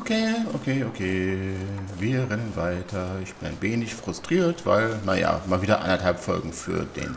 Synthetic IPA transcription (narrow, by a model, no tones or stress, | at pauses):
ʔokʰeːʔokʰeːʔokʰeː | viːɐʁɛnənvaɪtʰɐɪçb̥ɪnaɪnveːnɪçfʁ̥ʊstʁ̥iːɐtv̥a̰ɪlnaja̰ːmaːlviːdɐʔa̰ndɐthalpfɔ̰lɡŋ̩fy̰ːɐdḛːn